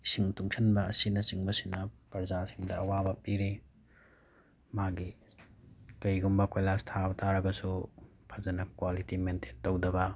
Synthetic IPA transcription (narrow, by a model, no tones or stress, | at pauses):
siŋtuŋsʰɐnbɐɐsinɐsiŋbɐsinɐpɐɾzasiŋdɐɐwabɐpiɾi | maɡi | kɐjɡumbɐkojlastʰabɐtʰaɾɐɡɐsupʰɐzɐnɐkwalitimentʰentowdɐbɐ